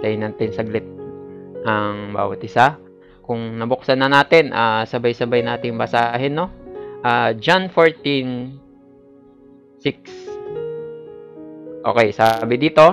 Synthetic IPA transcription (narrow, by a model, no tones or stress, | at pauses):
t̪ɐjnaːt̪ɪnsɐɡlɪt̪̚ | ɐŋba̰ːwɐ̰t̪ʔɪsa | kʊŋnɐbʊk̚sɐnːɐnaːt̪ɪnʔaːsɐbɐjsɐbajnaːt̪ɪŋbɐsaːɦɛnːo̞ʔaːd͡ʒanfoɹt̪in | sɪk̚s | ʔo̞̰ːkɛjsabɪd̪iːt̪o̞